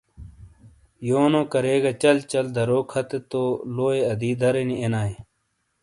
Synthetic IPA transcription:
joːnõːkɐɾeːɡat͡ɕɐlt͡ɕɐld̪ʱɐɾoːkʰɐt̪et̪oːloːeɐd̪iːd̪ʱɐɾeniʔenaːe

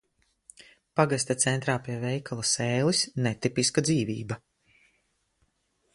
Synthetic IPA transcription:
paɡas̬ʲt̪ʲat̪sɛnt̪ɾaːpʲiɛvɛjkʰalˠasɛːlisnɛt̪ipiskad̪ziːvḭːba

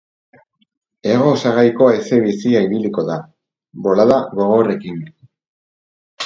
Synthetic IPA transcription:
e̞ɣ̞o̞saɣajko̞aese̞βisiaiβiliko̞ða | bo̞laðaɣo̞ɣ̞o̞re̞kin

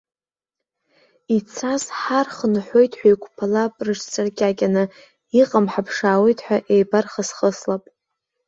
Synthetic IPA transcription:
it͡sʰasħarχənħʷo̞jtʰʼħʷᶣajkʷʰʼpʰalapʼrɨʂt͡sʰʼarkʲʼakʲanɨ | iqʼamħapʰʂaːwejtʼħʷᶣaʔejbarχasχəslapʼ

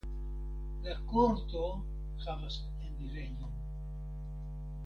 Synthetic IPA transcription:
lakoɾt̪o | xamas | end̪iɾejon

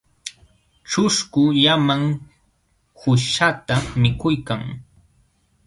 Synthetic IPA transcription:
ʈ͡ʂʊskʊʎamaŋ | hʊʃat̪amɪkʊjkaŋ

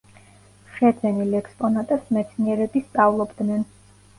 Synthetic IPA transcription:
ʃɛd̪zɛnilɛkspʼɔnat̪ʼɛsmɛt̪sʰniɛɾɛbist̪sʼavlˠɔbd̪nɛn

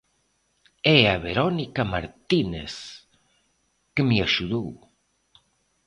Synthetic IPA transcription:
ɛaβeɾɔnikamaɾt̪inḛs | kəmiaʃuðow

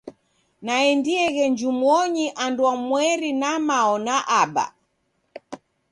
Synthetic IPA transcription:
naɛndiɛɣɛɲd͡ʒumɔɲiʔandwamwɛɾinamaɔnaʔaɓa̰

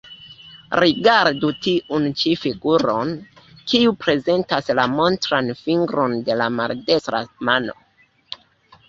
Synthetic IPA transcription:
ɾiɡaɾdutiʔunt͡ʃifiɡuɾo̞n | kiupɾe̞ze̞ntaslamo̞ntɾanfiŋɡɾo̞nde̞lama̰lde̞stɾa̰mano̞̰

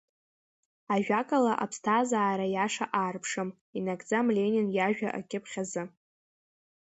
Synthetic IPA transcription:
aʒᶣakʼalaʔapʰstʰazaːɾajaʂaʔaːrpʰʂɨm | inakʼd͡zamlʲeninjaʒᶣa̰ʔa̰kʲʼɪpʰχʲazɨ

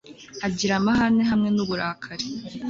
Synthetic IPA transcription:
aɟiɾamaɦaneɦamŋe̞nuβuɾakʰaɾe

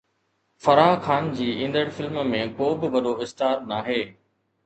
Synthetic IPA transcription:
fɐɾaːɦkʰaːnd͡ʑiːʔĩːn̆d̪əɽfɪlmmẽkoːbɪʋɐɗoɪst̪aːɾnaːɦeː

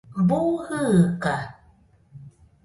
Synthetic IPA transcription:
mbuɣɯɣka

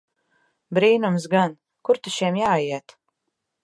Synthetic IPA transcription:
bɾiːnumsɡan | kuɾt̪uʃiɛmjaːjiɛt̪

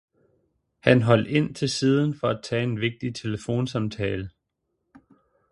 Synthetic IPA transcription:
hænɦɒ̽l̰d̥e̝n̰t͡sʰe̝lsiːð̞ˠn̩fɒ̽æt͡sʰɛ̰ːenʋe̝ɡ̥̚d̥it͡sʰe̝ləfo̝̰ːnsɑ̈mt͡sʰɛːlə

